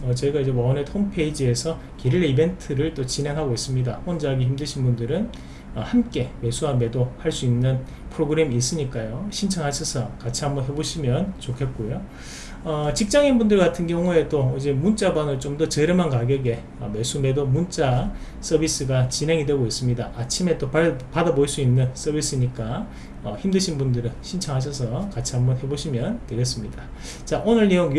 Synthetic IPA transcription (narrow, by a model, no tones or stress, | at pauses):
ʌt͡ɕeɡaid͡ʑe̞wʌnetʰompʰe̞id͡ʑie̞sʰʌ | kiɾiɾeibe̞ntʰɯɾɯɭt͈ot͡ɕinɦe̞ŋɦaɡois͈ɯmɲidaɸʌnd͡ʑaaɡiçimdɯɕʰinbundɯɾɯn | ʌhamk͈e̞me̞sʰuɦame̞dohaɭs͈uinːɯn | pʰɯɾoɡɯɾe̞miːs͈ɯɲik͈ajoɕʰint͡ɕʰaŋɦaɕʰʌsʰʌkat͡ɕʰiɦambʌnɦe̞boɕʰimjʌnt͡ɕokʰet̚k͈ojo | ʌt͡ɕik̚t͡ɕ͈aŋinbundɯɭɡatʰɯnɡjʌŋue̞doid͡ʑe̞munt͡ɕ͈abanɯɭt͡ɕomdʌt͡ɕe̞ɾɯɭmankaɡeɡe̞ | ʌmes͈une̞domunt͡ɕ͈a | s͈ʰʌbis͈ɯɡat͡ɕinɦe̞ŋidwe̞ɡois͈ɯmɲidaʔat͡ɕʰime̞t͈oppadabois͈uinːɯns͈ʰʌbis͈ɯɲik͈a | ʌçimdɯɕʰinbundɯɾɯɭɕʰint͡ɕʰaŋɦaɕ̬ʰʌs̬ʰʌkat͡ɕʰiɦambʌnɦe̞boɕʰimjʌntwe̞ɡes͈ɯmɲida | t͡ɕaʔonɯɭːijoŋ